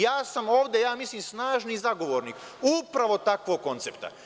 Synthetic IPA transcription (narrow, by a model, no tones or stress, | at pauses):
jaːsamo̞ːʋd̪ejaːmislimsnaːʒnizaɡo̞ʋoːɾniːk | upɾaʋo̞t̪akʋoɡ̚kːo̞nt̪sept̪a̰